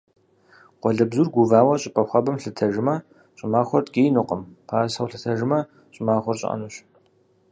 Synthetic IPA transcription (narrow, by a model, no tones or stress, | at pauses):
qʷɔɮɐbzurɡʷuvaːwɐɕʼɪpʼɐχʷɐbɐmɬɨtʰɐʒɪmɐ | ɕʼɪmaːχʷɔrtɡeːjnɨqəmpʰaːsɐwɬɨtʰɐʒɪmɐ | ɕʼɪmaːχʷɔrɕʼʔɐ̰nuɕ